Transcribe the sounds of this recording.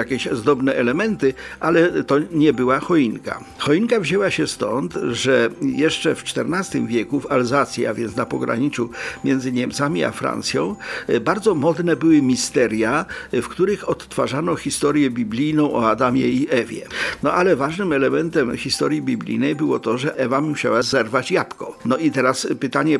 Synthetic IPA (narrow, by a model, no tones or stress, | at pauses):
jakʲɛɕzd̪ɔbnɛʔɛlɛmɛnt̪ɘʔalɛt̪ɔɲɛbɘwaxɔiŋka̰ | xɔiŋkavʑɛwaɕɛst̪ɔnt̪ʐɛjɛʂt͡ʂɛft͡ʂt̪ɛɾnast̪ɘmvʲjɛkufalzat̪sʲja̰vʲjɛnt̪snapɔɡɾa̰ɲit̪sumʲjɛnd̪zɘɲɛmt̪samʲia̰fɾa̰nt̪sʲjɔ̰̃w̃baɾd̪zɔmɔd̪nɛbɘwɘmʲist̪ɛɾjafkt̪uɾɘxɔt̪ːfaʐanɔxʲist̪ɔɾʲjɛbʲiblʲijnɔ̃w̃ʔɔad̪amʲjɛiʔɛvʲjɛ̰nɔʔalɛvaʐnɘmɛlɛmɛnt̪ɛmxʲist̪ɔɾʲjibʲiblʲḭjnɛjbɘwɔt̪ɔʐɛʔɛvamuɕawazɛɾvat͡ɕjapkɔnɔit̪ɛɾaspɘt̪aɲɛ